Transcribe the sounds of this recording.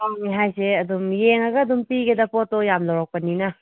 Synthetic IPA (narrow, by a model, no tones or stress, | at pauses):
aŋniɦajseɐd̪umjeŋaɡɐːd̪umpiɡed̪ɐpɔtɔjamlawɾak̚pɐninɐ